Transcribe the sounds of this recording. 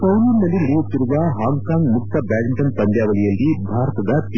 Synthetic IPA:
sɐwnunːɐlːiniɽɐjot̪ːiɾuʋɐɦaːŋɡkaːŋɡmuk̚t̪ʰːɐbaːɾiɳʈɐnp̪ɐnd̪jaːʋɐlijɐlːibʱaːɾɐt̪ɐd̪ɐt̪

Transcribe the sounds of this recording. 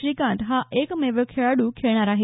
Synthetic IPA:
ɾiːkãɳtɦãʔekmeʋəkʰeɭaɽukʰeɭɽ̃aɾaːɦe

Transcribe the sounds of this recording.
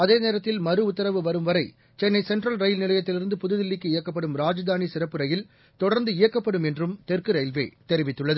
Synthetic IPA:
ɐðeːneːɾɐt̪ːɪlmɐɾɯʊt̪ːɐɾɐʋɯʋɐɾɯmʋɐɾɐɪ | t͡ʃɛnːɐɪsɛɳʈrɐlɾɐɪlnɪlɐjɐt̪ːɪlɪɾɯnd̪ɯpʊðɯðɪlːɪkːɯɪjɐkːɐp̬ːɐɽɯmɾaːd͡ʒɐd̪aːnisɪɾɐpːɯɾɐjɪl | t̪ɔɽɐɾnd̪ɯɪjɐkːɐpːɐɽɯmɛndrɯmt̪ɛrkɯɾɐɪlʋḛːt̪ɛɾɪʋɪt̪ːɯɭːɐðɯ

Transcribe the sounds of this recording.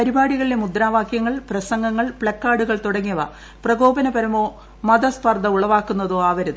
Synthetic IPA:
pɐɾibaːɽiɣɐɭile̞mud̪ɾaːʋaːkjɐŋːɐɭprɐsɐŋɡɐŋːɐɭpɭɐkːaːɽuɣɐɭt̪uɽɐŋːɐʋɐ | prɐɡo̞ːbɐnɐbɐɾɐmoː | mɐd̪ɐspɐrd̪ɐuɭɐʋaːkːunːɐðoːaːʋɐɾɐðɨ

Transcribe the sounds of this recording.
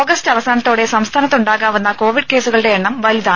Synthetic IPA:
oːɡɐstɐʋɐsaːnɐt̪ːo̞ːɽe̞sɐmst̪ʰaːnɐt̪ːuɳɖaːɣaːʋunːɐko̞ːʋiɖke̞ːsuɣɐɭɨɽe̞ːɳːɐmʋɐliðaː

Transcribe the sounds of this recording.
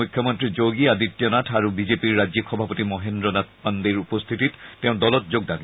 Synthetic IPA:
ukʰjɔmɔntɹizoɡiaditːjɔnatʰaɹubizepiɹːazixɔbʱapɔtimɔɦendɹɔnat̚ʰpandiɹupɔst̪ʰitittːɛʊ̃dɔlɔt̚zoɡ̚dani

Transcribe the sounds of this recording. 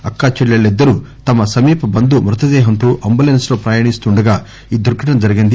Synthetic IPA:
ɐkːaːt͡ʃiɭːɐɭːid̪ːɐɾut̪ɐmɐsɐmiːpɐbɐnd̪umɾut̪ɐd̪ɛːɦɐnt̪oːʔɐmbulenslo̞ːpɾɐjaːɳist̪uɳɖɐɡaː | iːd̪uɾɡɐʈɐmd͡ʒɐɾiɡind̪i

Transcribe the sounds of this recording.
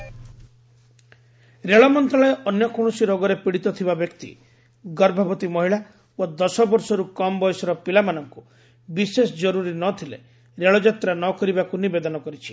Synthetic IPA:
ɾeɭɔmɔnt̪ɾaɭɔeʔɔnjɔkɔɽ̃ɔsiɾɔɡɔɾepiɽit̪ɔt̪ʰibabjɔkt̪ḭ | ɡɔɾbʱɔbɔt̪imɔɦiɭa | od̪ɔsɔbɔɾsɔɾukɔmɔbɔjɔsɔɾɔpilamanɔŋku | bisesɔd͡ʒɔɾuɾinɔt̪ʰilḛ | ɾeɭɔd͡ʒat̪ɾanɔkɔɾibakunibed̪ɔnɔkɔɾit͡ʃʰi̥

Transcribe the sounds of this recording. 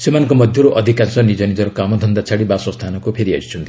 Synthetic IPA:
semankomʌd̪ʱjɔɾuʔʌd̪ʱikansɔnid͡zʌnid͡zʌɾukamɔd̪ʱʌnd̪at͡sʰaɽibasɔst̪ʰanɔkopʰeɾia̰jt͡ʃʰunt̪i

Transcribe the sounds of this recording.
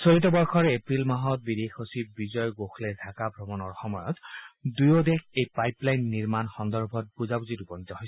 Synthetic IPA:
soɹit̬ɔbɔɹxʰɔɹepɹilmaɦɔt̚bidexosibizɔjɔɡoxlɛdʱakabʱɹɔmɔnɔɹxɔmɔjɔtdujɔdɛxejpajplajnːiɹmanxɔndɔɹbʱɔt̚puzabuzitupɔnitɔɦojsɛ

